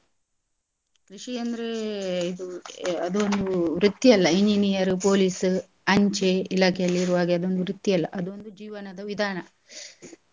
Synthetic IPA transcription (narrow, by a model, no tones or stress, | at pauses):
kɾiʂiɐnd̪ɐɾeid̪uɐd̪uond̪uʋɾut̪jiɐlːɐiɲd͡ʒinijɐɾupoːliːs | ɐɲt͡ʃeilaːkʰejɐlːiːɾuʋaːɡeɐd̪o̞nd̪uʋɾut̪ːiɐlːɐʔɐd̪uond̪ud͡ʒiːʋɐnɐd̪ɐʋid̪ʱaːɳɐ